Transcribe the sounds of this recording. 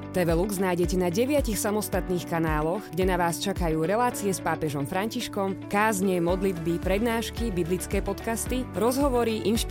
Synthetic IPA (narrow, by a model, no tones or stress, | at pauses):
t̪ɛʋɛluɡznaːjɟɛcɛnaɟɛʋɪacixsamɔst̪at̪niːxkanaːlɔɣɡɟɛnaʋaːst͡ʃakajuːɾɛlaːt͡siɛspaːpɛʒɔmfɾaɲciʃkɔmkaːzɲɛmɔd̪lid̪bipɾɛd̪naːʃkibiblit͡skɛːpɔt̪kast̪iɾɔzɦɔʋɔɾiʔinʃp